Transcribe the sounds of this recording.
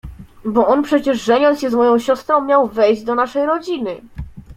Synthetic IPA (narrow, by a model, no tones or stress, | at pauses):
bɔɔnpʂɛt͡ɕɛʐːɛɲɔnt̪ɕɛzmɔjɔ̃w̃ɕɔst̪ɾɔ̃w̃mʲjawvɛjʑd͡ʑd̪ɔnaʂɛjɾɔd͡ʑinɘ